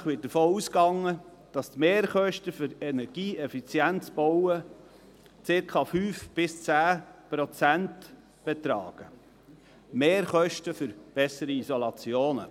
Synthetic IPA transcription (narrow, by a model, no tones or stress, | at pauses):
χʋɪd̥əɾfoːuːskɑŋːə | d̥ɑst̪meːɾχœʃtəfʏɾɛnɛɾɡ̥iːɛfit͡sjænt͡sb̥ɔwə | t͡sɪɾkʰɑfyːfb̥ɪst͡sæːpɾɔt͡sænt | b̥ɛt̪ɾɑ̰ːɡ̥ə | meːɾχœʃtəfʏɾb̥ɛsəɾiisɔlɑt͡sjoːnə